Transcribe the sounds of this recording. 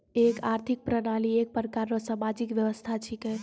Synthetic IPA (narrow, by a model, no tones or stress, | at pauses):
ekaɾt̪ʰik̚pɾənaliek̚pəɾəkaɾːɔsamad͡ʒikʋjəʋəst̪ʰat͡ʃʰikɛ